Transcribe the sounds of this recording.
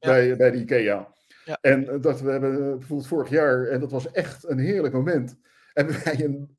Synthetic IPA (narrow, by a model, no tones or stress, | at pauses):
bɛjbɛjdəkeja | ɛndɑtʋəɦɛbənbəvoːɹbɪlˠtfʊːɹəχjaːɹɛndɑtʋɑsɛχtənɦɪːɹləkmowmɛnt | ɦɛbəʋɛjən